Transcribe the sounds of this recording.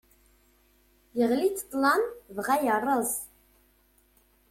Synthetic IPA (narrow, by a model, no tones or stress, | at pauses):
jəʁlit̪ʰə̥t̪lɑnvʁæjɑrˤəz